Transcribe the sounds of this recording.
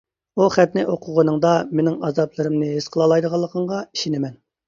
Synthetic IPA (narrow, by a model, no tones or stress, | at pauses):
uχɛp̪̚nɪʔoqʰʊʁənɨŋd̪ɑmenɪŋɑzɑplˠɨɾɨmnɨɦesqʰəlˠɑlˠɑjd̪əʁɑlˠːəqʰəɴʁɑi̥ʃinɪmɛn